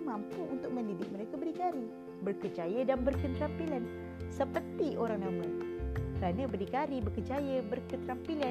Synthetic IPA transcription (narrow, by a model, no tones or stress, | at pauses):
mampuʔunt̪ʊk̚mə̃ndidɪk̚məɾekabəɾikaɾi | bərkəd͡ʒajədanbərkənt̪ɾampilan | səpərt̪ioɾaŋnamakəɾanabəɾikaɾibərkəd͡ʒajəbərkənɾampila